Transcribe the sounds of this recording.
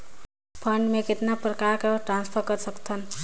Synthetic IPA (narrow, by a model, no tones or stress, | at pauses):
pʰʌɳɖmeket̪napɾəkaɾkaʈɾãnspʰʌɾkʌɾsʌkt̪ʰʌn